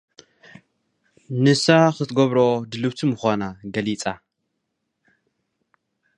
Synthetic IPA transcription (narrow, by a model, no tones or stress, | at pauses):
nɨsaxɨt̪ʰɡɐβɾod̪ɨlɨβt̪ʰɨmɨxʷanaɡɐlit͡sʼa